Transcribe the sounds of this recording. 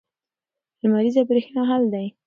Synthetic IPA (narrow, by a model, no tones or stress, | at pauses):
lmaɾizabɾexnɑɦald̪aj